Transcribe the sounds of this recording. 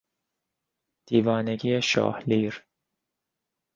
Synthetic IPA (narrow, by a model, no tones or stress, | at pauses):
d̪̥iːvɒːneɡijeʃɒ̰ːhliːɾ